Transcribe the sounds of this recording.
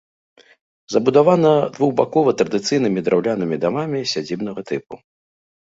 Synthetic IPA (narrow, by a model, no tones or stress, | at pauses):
zɐbud̪avanɐd̪vuɣbakɔvɐt̪ɾɐd̪ɨt̪sɨjnɨmʲid̪ɾawlʲanɨmʲid̪amamʲisʲad͡zʲibnɐɣɐt̪ɨpu